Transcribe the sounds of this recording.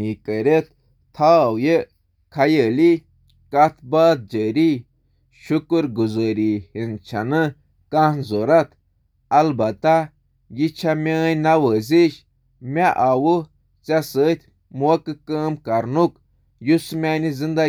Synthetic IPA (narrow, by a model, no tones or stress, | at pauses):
ikəɾʲet̪̚ | t̪ʰaːwje | kʰajəːli | kɐt̪ʰbaːt̪̚d͡ʒəːɾi | ʃukɨɾɡuzəːɾihint͡ʃʰanɨ | kɐnzoɾɐt̪ʰ | ɐlbɐt̪a | jit͡ʃʰamʲeːjnawəːziʃ | mʲaʔawu | t͡sasət̪ʲʰ | mɐkɨkəːmkɐɾnuk | jusmʲanizind̪a